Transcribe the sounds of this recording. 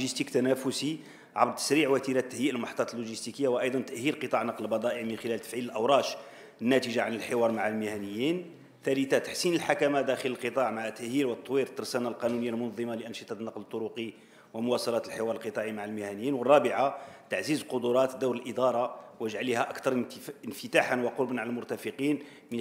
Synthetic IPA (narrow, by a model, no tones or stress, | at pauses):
ʒist̪ikt̪ænæfʊsi | ʕɑbɾ̚ˤt̪ːə̥sɾiʕwæt̪iɾæt̪ːəhjiʔəlmħt̪ˤːɑt̪əlːuʒist̪ikəjːawʔɑjd̪ˤɑnt̪əʔhiɾqət̪ˤɑʕnɑqləlbɑd̪ˤɑʔəʕmənxəlælt̪ə̥fʕiləlʔəwɾˤɑʃ | ənːæt̪iʒaʕanəlħɪwɑɾˤmaʕalmɪhænəjːin | t̪ælət̪at̪ḁħsinəlħakæmad̪æxələlqət̪ˤɑʕmaʕat̪ːæʔhiɾwət̪ˤːwiɾət̪ːɑɾˤsænalqɑnunəjːalmʊnðˤːəmaləʔənʃət̪ˤɑt̪nːɑqlət̪ˤːʊɾuqi | wəmʊwɑsɑlɑt̪əlħewɑɾˤəlqət̪ˤɑʕimaʕalmɪhænəjːinwərˤːɑbɪʕat̪aʕzizqʊd̪ʊɾˤɑt̪d̪ːuwɾəlʔəd̪ɑɾˤɑwəʒʕalihæʔɑkt̪ɑɾˤənfət̪aħənwɑqoɾˤbənʕaləlmʊɾt̪æfəqin | mə